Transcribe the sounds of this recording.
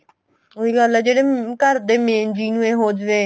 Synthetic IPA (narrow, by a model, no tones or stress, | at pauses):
oiːɡəlɛːd͡ʒeːɽeːkəɾd̪eːmẽːnd͡ʒiːnũːẽːɦoːd͡ʒʋeː